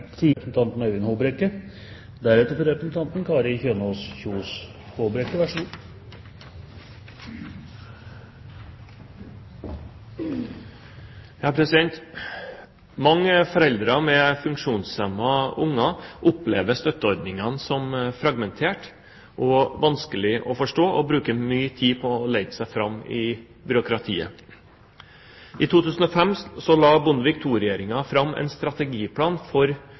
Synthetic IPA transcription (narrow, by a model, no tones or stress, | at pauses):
t̪ʰipsn̩t̪ʰɑnt̪nɑʉɪnhoːbɾekə | d̪æɾɛt̪əɾfɔɾɛpɾɛsn̩t̪ʰɑnt̪n̩kʰɑːɾəçøːnɔsçuːs | hobɾɛkːəʋæʂu | jɑːpʰɾɛsɪd̪ɛnt̪ | mɑŋːəfɔɾɛld̪ɾɑmɛfʉŋkʂuːnsɛmːɑʊŋːɑʔʊplḛːʋ̪əst̪œt̪əɔɾd̪nɪŋɑnsɔmfɾɑɡmɛnt̪ʰeːʈ | ʔɔʋɑnskəlɪʔɔfɔʂʈoːʔɔbɾʉːkəmyːt̪ʰiːpʰɔːleɪd̪əsæɪfɾɑmːɪ | bʏɾʊkɾɑt̪ʰḭːə̰ | ʔit̪ʰuːt̪ʰʉːsən̩ɔfɛmssɔlɑːbʊnʋɪk̚t̪ʰuːɾɛjeːɾɪŋɑfɾɑmːʔɛ̰ɪnst̪ɾɑt̪ɛɡiːpʰlɑːnfɔɾ